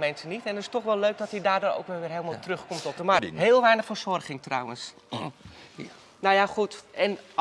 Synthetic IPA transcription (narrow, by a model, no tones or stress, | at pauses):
mɛnsənitɛntɪstɔxʋɛlˠløɥk̚dɔtidaːrdoːɾo̰wkʋɛlˠʋɪːrɦeːlˠmalˠtrɵxkɔmtɔp̚dəmaɦeːlˠʋɛjnəχfərsɔrχɪŋtrɔ̰wəns | nojaχutɛn